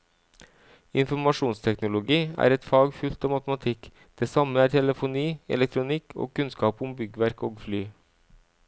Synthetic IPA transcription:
ɪnfɔɾmɑʂuːnst̪ʰɛknʊlʊɡiːæ̰ːɾɛt̪fɑːɡfʉlt̪ɑːmɑt̪əmɑt̪ʰɪk | d̪̥eːsɑməæːʈʰɛləfʊniːɛ̰lɛk̚t̪ʰɾʊnɪkʰo̰ːkʰʉnskɑːpʊmbʏɡəʋæɾkoːɡflyː

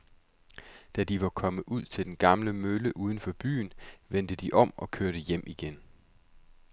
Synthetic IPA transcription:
d̥æd̥iʋɑ̈kʰɒ̽mðuð̞̰ˠt͡sʰe̝ld̥enɡ̥ɑ̈mləmøləʔuːð̞ˠn̩fɒ̽b̥y̰ːnʋen̰d̥əd̥iʔɒ̽m̰ɒ̽kʰøɐɾ̥əjem̰ʔiɡ̥en

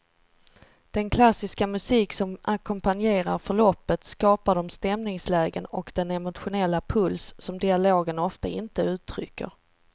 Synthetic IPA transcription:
d̪̥ɛnkʰlasɪskamɵsiːksɔmakʰʊmpanjeːɾaɾfœɭɔpːət̪skɑːpaɖɔmst̪ɛmnɪŋslɛːɡənɔkd̪̥ɛnɛmʊt̪ɧʊnɛlːapʰɵlsːɔmd̪ɪaloːɡənɔft̪aɪnt̪əʉ̟ːt̪ʰːɾʏ̰kːə̰ɾ

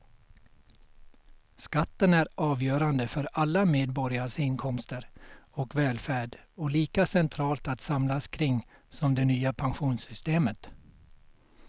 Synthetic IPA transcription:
skat̪ːənæɾʔɑːvjœːɾand̪əfœɾalːameːd̪bɔɾɪaʂɪnkʰɔmst̪əɾɔkvɛːlfæːɖɔliːkasɛnt̪ʰɾɑːlt̪at̪samlaskʰɾɪŋː | sɔmd̪ɛnyːapʰanɧuːnsʏst̪eːmət̪

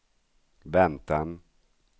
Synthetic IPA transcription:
vɛnt̪an

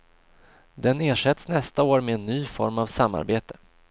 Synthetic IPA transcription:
d̪ɛneːʂɛt̪snɛst̪aoːɾmɛːnːyːfɔɾmavsamːa̰ɾbeːt̪ə̥

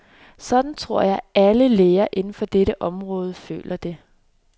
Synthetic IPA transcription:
sɒ̽d̥n̩t͡sʰʁo̝ɐ̰jɑ̈ɪʔæləleːɐʔe̝nn̩fɒ̽d̥eɾəʔɒ̽mʁɔ̽ːð̞ˠəfø̰ːlʔɐd̥e̝

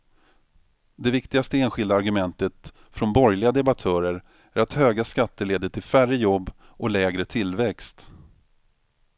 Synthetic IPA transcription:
d̪ɛvɪkt̪ɪɡast̪əeːnɧɪld̪aːɾɡɵmɛnt̪ət̪ | fɾɔnbɔɾjlɪɡad̪ɛbat̪ʰœːɾəɾ | æɾat̪høːɡaskat̪ːəɭeːd̪əʈʰɪlfærəjɔbː | ɔlɛːɡɾət̪ʰɪlvɛkst̪

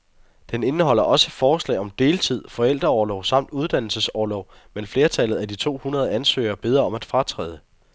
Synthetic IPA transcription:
d̥ene̝nəɦɒ̽l̰ɐʔɒ̽səfɒːslɛ̰ɪɒ̽md̥e̝ːlt͡sʰið̞̰ˠfɒ̽el̰d̥ʁɐɒːlɒʊsɑ̈m̰d̥uð̞ˠd̥æn̰l̩səsɒːlɒʊ | menfle̝ːɐt͡sʰælð̩ˠæd̥it͡sʰo̝̰ːhunɐð̞ˠænsø̰ːɐb̥e̝ð̞ˠʁɐɒ̽mæd̥fʁɑ̈t͡sʰʁɛ̰ːð̞ˠə

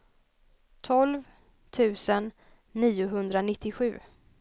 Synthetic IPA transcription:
t̪ʰɔlv | t̪ʰʉ̟ːsənː | iːʊɦɵnd̪ɾanɪt̪ʰːɪɧʉ̟̰ː

